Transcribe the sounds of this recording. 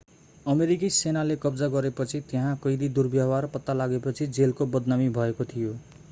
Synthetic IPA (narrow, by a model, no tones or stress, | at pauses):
ʌmeɾik̬isenalekʌbd͡zaɡʌɾepʌt͡sʰit̪eɦãkʌjd̪id̪urbjʌwarpʌt̪ːalaɡepʌt͡sʰid͡zelkobʌd̪namibʱʌekot̪ʰijo